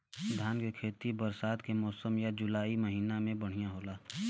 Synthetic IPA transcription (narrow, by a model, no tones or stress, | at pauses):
d̪ʱaːnkekʰeːt̪ibəɾsaːt̪kemɔːsəmjad͡ʒʊlaːiməɦiːnamẽbəɽ̤ijãɦoːlaː